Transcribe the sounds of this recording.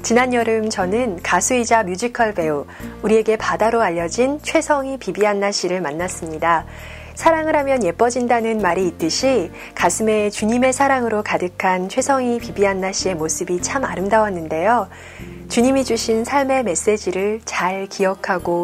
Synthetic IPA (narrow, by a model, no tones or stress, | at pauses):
t͡ɕinaɲjʌɾɯmt͡ɕʌnɯnkasʰuid͡ʑamjud͡ʑikʰʌɭbe̞o | uɾie̞ɡe̞padaɾoaʎːʌd͡ʑint͡ɕʰwe̞sʰʌŋipibiɦanːaɕ͈ʰiɾɯɭmanːas͈ɯmɲida | sʰaɾaŋɯɾɦamjʌnje̞p͈ʌd͡ʑindanɯnmaɾiːt͈ɯɕʰi | kasʰɯme̞t͡ɕuɲime̞sʰaɾaŋɯɾokadɯkʰant͡ɕʰwe̞sʰʌŋipibiɦanːaɕ͈ʰie̞mosʰɯbit͡ɕʰamaɾɯmdawanːɯnde̞jo | t͡ɕuɲimid͡ʑuɕʰinsʰaɭme̞me̞s͈e̞d͡ʑiɾɯɭt͡ɕaɭkijʌkʰaɡo